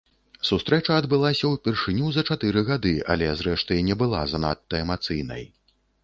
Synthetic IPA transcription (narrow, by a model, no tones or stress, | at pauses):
sust̪ɾɛt͡ʂɐːd̪bɨlˠasʲɐwpʲɛrʂɨnʲuzɐt͡ʂat̪ɨɾɨɣad̪ɨɐ̰lʲɛzɾɛʂt̪ɨjnʲɛbɨlˠa̰zɐna̰t̪ːɐɛmat̪sɨjnɐ̰j